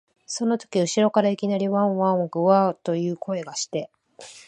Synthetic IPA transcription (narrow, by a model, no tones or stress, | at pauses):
so̞no̞t̪o̞̥kʲiɯ̟ɕiɾo̞kaɾaikʲinaɾʲiβãɰ̃βãŋɡɯ̟βaːt̪o̞jɯ̟ːkʰo̞e̞ɡaɕi̥t̪e̞